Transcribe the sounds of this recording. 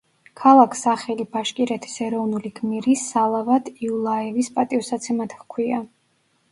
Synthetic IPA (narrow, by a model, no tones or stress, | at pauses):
kʰalˠakʰsaχɛlibaʃkʼiɾɛt̪ʰi̥sɛɾɔvnuliɡmiɾisalˠavad̪ʰiulˠaɛvispʼat̪ʼiɔsat̪sʰɛmat̪ʰχkʰwia